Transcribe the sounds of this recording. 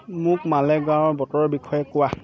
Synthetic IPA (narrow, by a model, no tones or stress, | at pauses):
mʊkmalɛɡãwɔɹbɔtɔɹɔbikʰɔjɛkʊwa